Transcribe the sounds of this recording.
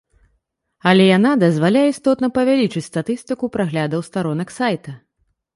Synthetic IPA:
ɐlʲɛjanad̪ɐzvalʲajɛist̪ɔt̪nɐpɐvʲalʲit͡ʂɨt͡sʲst̪at̪ɨst̪ɨkupɾaɣlʲad̪ɐwst̪aɾɔnɐksajt̪ɐ

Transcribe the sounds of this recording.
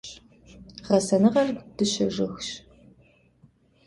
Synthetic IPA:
ʁɐsɐnɨʁɐrd̥ɨɕɐʒɪxɕ

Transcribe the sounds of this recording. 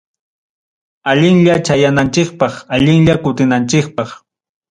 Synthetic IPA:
aʎɪŋʎat͡ʃajanant͡ʃɪkpɑχaʎɪŋʎakʊt̪ɪnant͡ʃɪk̚pɑχ

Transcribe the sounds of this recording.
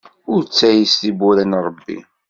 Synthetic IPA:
ʊɾt͡sːæjisθibuɾænɾˤəbːḭ

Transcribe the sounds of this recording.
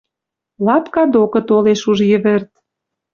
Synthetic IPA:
lɑpkɑd̪okɤ̆t̪oleʃuʒjɘ̆βɘ̆rt̪̚

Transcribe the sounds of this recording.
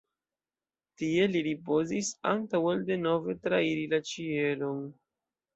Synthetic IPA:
tie̞liɾipo̞zisa̰ntawalde̞no̞ve̞tɾaiɾilat͡ʃie̞lo̞n

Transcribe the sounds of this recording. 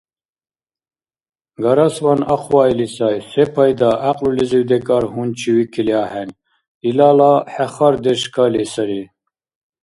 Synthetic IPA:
ɡaɾaswanaqʰwailisajsɛpʰajd̪aʔaqʼluliziwd̪ɛkʼaɾɦunt͡ʃʰiwikʰiliaːhɛn | ilalaħɛχaɾd̪ɛʃkʰalisɐɾi

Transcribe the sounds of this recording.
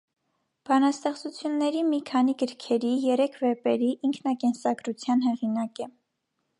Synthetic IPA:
b̥ɑnɑst̪ɛχt͡sut͡sʰjunːɛɾimikʰɑniɡəɾkʰɛɾijɛɾɛkʰvɛpɛɾiʔiŋkʰnɑkɛnsɑɡɾut͡sʰjɑnɦɛʁinɑkɛ

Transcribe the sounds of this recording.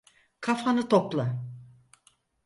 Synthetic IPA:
kʰafanɯt̪ʰoplˠa

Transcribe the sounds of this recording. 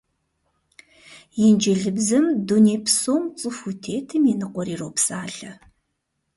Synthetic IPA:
jɛnd͡ʒɐɮɨbzɐmduneːpʰsoːmt͡sʼɨfutʰeːtʰɨminɨqʷɔɾiːroːwpsaːɬɐ

